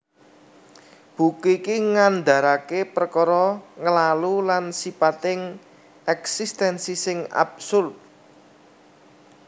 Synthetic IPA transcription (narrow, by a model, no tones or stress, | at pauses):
b̥ukekiŋand̪a̤ɾakepərkɔɾɔŋəlalulansipat̪ɪŋ | ʔɛksist̪ɛnsisɪŋa̰bsʊlt̪̚